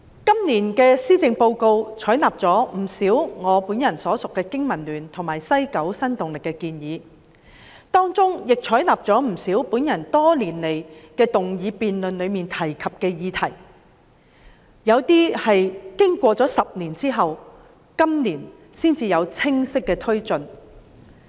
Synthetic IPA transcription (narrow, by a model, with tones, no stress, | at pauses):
kɐ˥mniː˨˩nkɛː˧siː˥t͡sɪ˧ŋpo˧wko˧wt͡sʰɔː˨˥jnaː˨p̚t͡sɔː˨˥m̩˨˩siː˨˥wŋɔː˨˧puː˨˥njɐ˨˩nsɔː˨˥sʊ˨kːɛː˧kɪ˥ŋmɐ˨˩nlyː˨˩nt̪ʰʊ˨˩ŋmaː˨˩jsɐ˥jkɐ˨˥wsɐ˥nt̪ʊ˨ŋlɪ˨kːɛ˧kiː˧njiː˨˧ | t̪ɔː˥ŋt͡sʊ˥ŋjɪ˨k̚t͡sʰɔː˨˥jnaː˨p̚t͡sɔː˨˥m̩˨˩siː˨˥wpuː˨˥njɐ˨˩nt̪ɔː˥liː˨˩nle˨jkɛː˧t̪ʊ˨ŋjiː˨˧piː˨nlɵ˨nlɵ˨˧miː˨nt̪ʰɐ˨˩jkʰɐ˨p̚kɛː˧jiː˨˧t̪ʰɐ˨˩j | jɐ˨˧wt̪iː˥hɐ˨jkɪ˥ŋkʷɔː˧t͡sɔː˨˥sɐ˨p̚niː˨˩nt͡siː˥ɦɐ˨w | kɐ˥mniː˨˩n | siː˥nt͡siː˧jɐ˨˧wt͡sʰɪ˥ŋsɪ˥kːɛː˧t̪ʰɵ˥ɥt͡sɵ˨n